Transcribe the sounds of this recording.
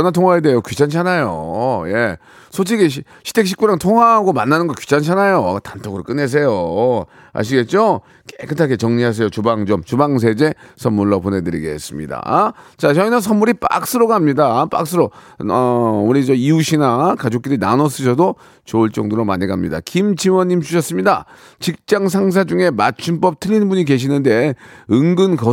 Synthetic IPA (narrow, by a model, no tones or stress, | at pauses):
ʌnatʰoŋɦwaedejokɥit͡ɕʰant͡ɕʰanajoje̞ | sʰot͡ɕʰiɡeɕ̬ | ɕʰi̥tʰe̞k̚ɕ̬͈ʰi̥k͈uɾaŋtʰoŋɦwaɦːɡomanːanɯnŋɡʌkɥi̥t͡ɕʰant͡ɕʰanajotantʰoɡɯɾok͈ɯne̞s̬ʰe̞jo | a̰ɕ̬iɡe̞t̚t͡ɕ͈o | kekʰɯtʰaket͡ɕʌŋɲiɦas̬ʰe̞jot͡ɕubaŋd͡ʑomt͡ɕubaŋs̬ʰe̞d͡ʑe̞sʰʌnmːuɭːopone̞dɯɾiɡees͈ɯmɲḭda̰t͡ɕat͡ɕʌinɯnsʰʌmːuɾip͈a̰k̚s͈ɯɾoɡaamɲidap͈a̰k̚s͈ʰɯɾo | ʌuɾid͡ʑʌiuɕʰinakad͡ʑok̚t͈iɾinanʌs͈ɯɕ̬ʰʌdo | t͡ɕoɯɭt͡ɕ͈ʌŋdoɾomaɲiɡamɲḭda̰kimt͡ɕimwʌɲːimt͡ɕuɕʰʌs͈ɯmɲida | t͡ɕik̚t͡ɕ͈aŋs̬ʰaŋs̬ʰad͡ʑuŋe̞mat͡ɕʰunp͈ʌp̚tʰɯʎːinbuɲike̞ɕ̬ʰinɯnde̞ɯŋɡɯnkʌ